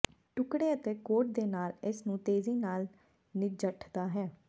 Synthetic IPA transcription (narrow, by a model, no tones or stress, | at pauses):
ʈʊkɽeːət̪eːkoːʈ̚d̪eːnaːlɪsnũːt̪eːziːnaːl | nɪd͡ʒəʈʰd̪aːɦɛː